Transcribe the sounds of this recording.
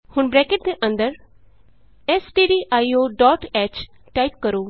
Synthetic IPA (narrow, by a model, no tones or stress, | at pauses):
hʊnbɾɛːkeʈ̚d̪eʔə̃nd̪əɾ | ɛsɖiːɖiːʔaːioːɖɔːʈɛːt͡ʃ | ʈaːip̚kəɾoː